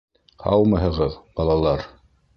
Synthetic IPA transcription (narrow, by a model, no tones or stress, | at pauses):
hɑ̰w̪ˠmɤ̆ɦɤ̆ʁɤðbɑlˠɑlˠɑɾ